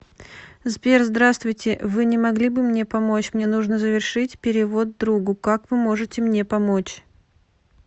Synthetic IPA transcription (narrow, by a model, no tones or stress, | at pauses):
zbʲerzd̪ɾast̪vʊjtʲɪvɨnʲɪmɐɡlʲibɨmnʲe̞pɐmo̞t͡ɕmnʲe̞nuʐnəzəvʲɪrʂɨtʲpʲɪɾʲɪvo̞d̪̚ːɾuɡʊkakvɨmo̞ʐɨtʲɪmnʲe̞pɐmot͡ɕ